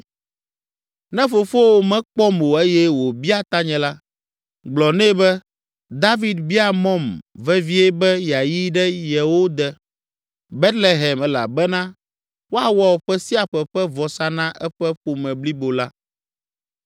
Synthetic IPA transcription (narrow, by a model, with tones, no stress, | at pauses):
nɛ̃˦fo˨fo˦wo˦mɛ̃˦k͡pɔ˦mo˨e˦jɛ˦wo˨bi˦a˦t̪a˦ɲɛ̃˨la˦ | ɡ͡blɔ˨nɛ̃˦bɛ˦ | d̪a˦vi˨d̪bi˦a˨mɔ̃˦mvɛ˦vi˦ɛ˦bɛ˦ja˨ji˦ɖɛ˦jɛ˨wo˦d̪ɛ˨ | be˦t̪le˨ɦɛ˨mɛ˦la̰˨bɛ˦nã˦ | wo˦a˨wɔ˦wɔ˨ɸɛ˦si˦a˨ɸɛ˨ɸɛ˦vɔ˨sa˦nã˦ʔɛ˦ɸɛ˦ɸo˨mɛ̃˨bli˦bo˨la˦